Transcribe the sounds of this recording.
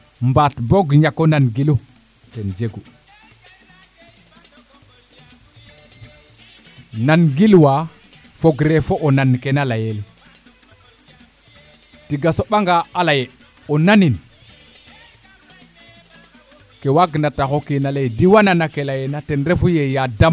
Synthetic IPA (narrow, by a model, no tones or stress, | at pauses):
mbatboɡɲakːonanɡilu | tend͡ʒeɡu | nanɡilwa | foɡɾefoʔonankenalajeli | tiɡasoɓaŋɡaalaje | onanin | kewaɡnataxokinalejdiwananakelajenatenɾefujejadam